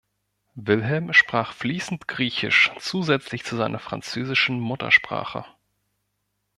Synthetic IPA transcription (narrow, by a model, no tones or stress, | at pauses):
vɪlɦɛlmʃpʁ̥aːχfliːsn̩tɡ̥ʁiːçɪ̰ʃt͡suːzɛt͡slɪçt͡suzaɪnɐfʁ̥a̰nt͡søːzɪʃn̩mʊtɐ̰ʃpʁ̥a̰ːχə̰